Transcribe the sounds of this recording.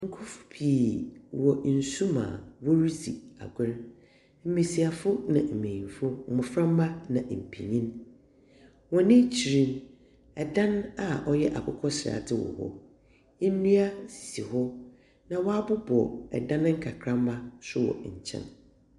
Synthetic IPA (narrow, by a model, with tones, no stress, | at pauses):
ŋ̩˦kʰʊ˦fʊ̥˦pʰi˨wɔ˨n̩˨su˦mã̰ː˨wɔ˦ɾi˦sḭ˨a̰˨ɡɪ˦ɾ | m̩˦me˨si˨a˨fʊ˦nã̰˨m̩˨mẽ˨n˨fʊ˦˨mʊ̃˨fɾã˦m˦ba˦nã˨ʔm̩˨pʰḭ˨ɲĩ˦n | wɔ̃˨nɪ̃˦t͡ɕʰi˨ɾĩ˦n | ɛ˨dã˦na˨ʔɔ˦jɛ˦ʔa˨kʰʊ˦kʰɔ˦ɕɪ˨ɾa̰˨dɪ˦wɔ̰˨hɔ̰˦ | e˦nũ˦a˦si̥˨si˨hɔ˦ | nã˨wɔ˦a˦bʊ˦bɔ˨ɛ̰˨dã˦ñ˦ŋ̩˦kʰa˨kʰɾã˦mː˦a˦sʊ˦wɔ̰˨ɲ̩˨t͡ɕʰɛ̰̃˦n